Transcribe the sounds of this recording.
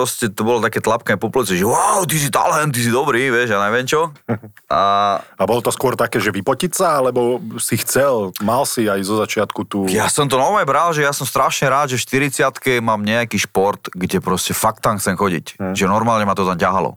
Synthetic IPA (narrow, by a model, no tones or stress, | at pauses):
ɾɔscɛt̪ɔbɔlɔt̪akɛːt̪lapkaɲɛpɔplɛt͡sɛʒɛwawt̪is̬it̪a̰lɛnt̪̬ːis̬id̪ɔbɾiːʋɪɛʒjanaʋɪɛmt͡ʃɔ | a̰abɔlɔt̪ɔskʊɔɾt̪akɛːʒɛʋipɔcisaalɛbɔsixt͡sɛlmalsiajzɔzat͡ʃɪat̪kut̪uːjasɔmt̪ɔnaɔmajbɾalʒɛjasɔmst̪ɾaʃɲɛɾaːd̪ʒɛfʃt̪iɾit͡sɪat̪kɛmaːmɲɛakiːʃpɔɾt̪ɡɟɛpɾɔscɛfakt̪ːamxt͡sɛmxɔɟḭcʒɛnɔɾmaːlɲɛmat̪ɔt̪amcaɦalɔ̰